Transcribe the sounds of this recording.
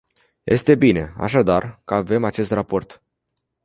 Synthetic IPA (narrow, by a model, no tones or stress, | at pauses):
jʔe̞st̪e̞bine̞a̰ʃ̬ad̪arkəave̞mat͡ʃe̞st̪rapo̞rt̪